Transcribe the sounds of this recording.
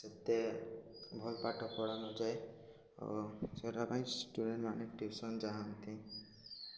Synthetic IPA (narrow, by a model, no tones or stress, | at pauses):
set̪ːe | bʱɔlpaʈʰɔpɔɽanɔd͡ʒaj | ɔ̰seʈapãĩsʈuɖeɳʈmaneʈisɔnd͡ʒaɦant̪ʰĩ